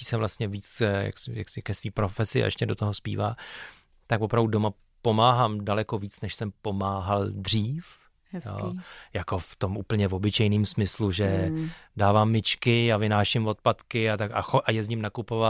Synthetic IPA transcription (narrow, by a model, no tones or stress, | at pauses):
i̥ːsɛvlast̪ɲɛviːt͡sja̰ksɪja̰ksɪkɛsviːpɾo̞fɛsɪa̰ʔɛ̰ʃcɛdo̞t̪oɦo̞spḭːvaː | t̪akvopɾavdudo̞ma | po̞maːɦaːmdalɛko̞viːt͡snɛʃsɛmpo̞maːɦaldr̝iːf | jo̰ːjako̞ft̪o̞mʔuːpl̩ɲɛvobɪt͡ʃɛjniːmsmɪsluʒɛdaːvaːmːɪt͡ʃkɪavɪnaːʃɪmvo̞t̪̚pat̪kɪat̪aka̰xoʔajɛzɲɪmnakupova